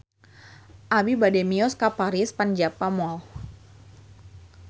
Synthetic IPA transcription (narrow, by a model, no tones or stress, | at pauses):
ʔabibadɛmiɔskapaɾispand͡ʒapamɔ